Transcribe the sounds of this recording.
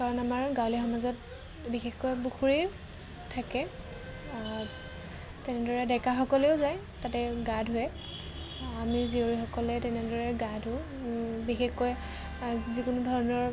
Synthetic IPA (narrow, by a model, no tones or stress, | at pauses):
kaɹɔnamaɹɡawlixɔmazɔt̚ | bixexkːɔjbuxʰuɹi | tʰakɛ | tɛnɛdɔɹɛdɛkaxɔkɔleʊzaj | tatɛɡadʱʊjɛ | amizioɹixɔkɔlɛtɛnɛdɔɹɛɡadʱʊ̃ | bixexkɔj | zikʊnʊdʱɔɹɔnɔɹ